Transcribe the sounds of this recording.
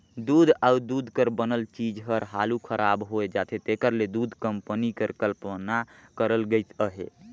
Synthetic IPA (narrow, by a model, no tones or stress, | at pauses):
d̪ud̪ʱaud̪ud̪ʱkəɾbənəlt͡ʃid͡ʒɦəɾɦalukʰəɾʔabɦoed͡ʒat̪ʰet̪ekəɾled̪ud̪ʱkəmpənikəɾkəlpnakəɾəlɡəjt̪ʰəɦḛ